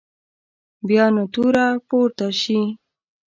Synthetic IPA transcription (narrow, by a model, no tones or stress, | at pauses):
bjɑnot̪uɾapoɾt̪aʃi